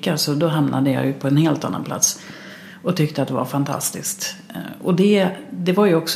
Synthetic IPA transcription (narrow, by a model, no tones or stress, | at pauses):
kːasɔd̪ɔɦamnʔa̰d̪əjɑ̰ːjɵpʰɔɛnheːlt̪a̰nːa̰npʰla̰t̪s | ɔt̪ʰʏk̚t̪əat̪̚d̪ɛva̰ɾfant̪ʰa̰st̪ɪskt̪ɔd̪ɛd̪ɛvaɾjɵɔks